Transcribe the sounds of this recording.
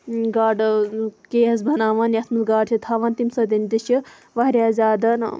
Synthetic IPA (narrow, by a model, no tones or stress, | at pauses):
ɡaːɖkeːɦɐs̬bʱɐnaːʋaːnjɐsmɨsɡaːɖt͡ʃʰit̪ʰaːʋaːnt̪imsɐd̪ind̪iʃi | ʋɐɾʲjaːzaːd̪ɐn